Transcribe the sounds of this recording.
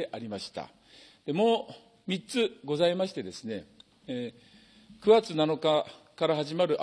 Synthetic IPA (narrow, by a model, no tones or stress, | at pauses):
eʔaɾʲimaɕi̥t̪a̰ | d̪̥e̞mo̞ː | mʲit͡sɨɡo̞zaimaɕi̥t̪e̞d̪e̞sɨne̞ | kɯ̟ɡat͡sɨnano̞kakaɾaɦaʑimaɾɯ̟ʔ